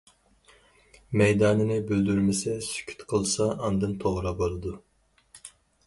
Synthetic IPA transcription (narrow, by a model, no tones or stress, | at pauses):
mɛjd̪ɑːnɯnɪbøld̪yɾmesɛsy̥kʲʰy̥t̪kʰɯlˠsɑʔːnd̪ɯnt̪ʰoʁɾɑbolˠɯd̪u